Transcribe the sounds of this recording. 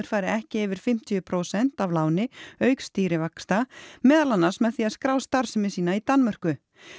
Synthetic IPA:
ʏɾ̥faːjɾɪɛhcɪɛːvɪɾ̥fɪm̥t̪ʰijʏpʰɾoːwsɛn̥t̪avlaːwnɪœːɥkst̪iːɾɪvakst̪amɛːðalanːaɾsmɛðθiaðskɾaːwst̪aɾ̥sɪmɪsiːnait̪anːmœr̥kʏ

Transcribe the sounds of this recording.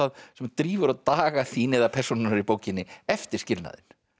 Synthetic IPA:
aðsɛmt̪ɾiːvʏɾaðt̪aːɣaθiːnɪɛðapʰɛ̥sunɪnaɾipoːwcɪnːɪɛft̪ɪɾ̥scɪlna̰ðɪ̰n

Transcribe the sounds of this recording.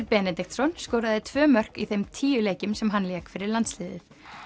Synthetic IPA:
ɾpɛːnɛt̪ɛk̚t̪sɔnskɔːwɾaðɪt̪ʰvœːmœr̥kiθejmt̪ʰiːjʏleːjcʏmsɛmɦanːljɛːkfɪɾɪɾlant̪slɪːðɪ̰θ

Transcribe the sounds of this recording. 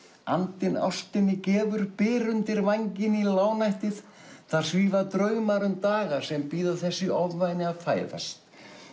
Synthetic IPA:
a̰nt̪ɪna̰wst̪ɪnːɪcɛːvʏɾpɪːɾʏnt̪ɪɾvaɲcɪnilaːwnajht̪ɪθ | θḁsviːvat̪ɾœːɥmaɾʏmt̪aːɣasɛmpiːðaθɛsːɪʔɔvvajnɪavfaːjða̰st̪

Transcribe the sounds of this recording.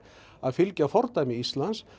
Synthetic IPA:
aðfɪlcafɔɾt̪ajmɪist̪lans

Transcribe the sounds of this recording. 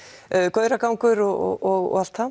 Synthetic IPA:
kœɥɾakawŋkʏɾɔɔ̰ɔɣɔ̰al̥t̪a

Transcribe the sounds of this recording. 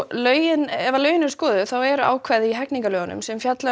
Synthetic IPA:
lœːɥjɪnɛvalœːɥjɪnɛɾskɔːðʏθawɛɾa̰ːwkʰvaːjðɪiɦɛkniŋkalœːɣanʏ̰msɛmfjat̪la

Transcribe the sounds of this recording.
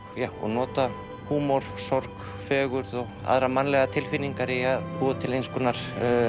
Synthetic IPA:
jaɔ̰ɣnɔːt̪a | huːmɔɾ̥sɔɾk | fɛːɣʏɾðɔɣa̰ðɾamanːlɛɣat̪ʰɪlfiniŋkaɾɪaðpɔːðʏt̪ʰɪlejnskʏnːaɾ̥

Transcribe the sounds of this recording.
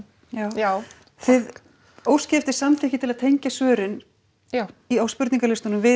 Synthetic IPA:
jaːwa | θɪð | oːwscɛft̪ɪ̥samθɪhcɪt̪ʰɪlaðt̪ʰejɲcasœːɾɪn | iawspʏɾt̪niŋkalɪst̪ʏnʏmvɪ

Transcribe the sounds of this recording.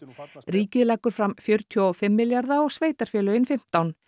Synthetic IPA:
ɾiːcɪðlaːkʏɾ̥fɾamfjœɾ̥t̪ʰjɔfɪmːɪljaɾðaɔɣsveːjt̪aɾ̥fɛːlʏɪnfɪm̥t̪awn

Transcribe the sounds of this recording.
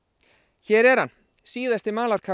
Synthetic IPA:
çɛːɾɛɾ̥ha̰n | siːðast̪ɪmaːlaɾ̥kʰa

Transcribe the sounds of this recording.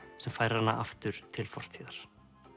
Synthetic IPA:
sɛmfaːjɾɪhanːa̰ʔa̰ft̪ʏɾ̥t̪ʰɪlfɔr̥t̪ʰiːðaɾ̥

